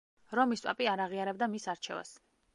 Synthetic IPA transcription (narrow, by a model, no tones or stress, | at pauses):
ɾɔmistpʼapʼiaɾaʁiaɾɛb̚d̪amisaɾt͡ʃʰɛ̰va̰s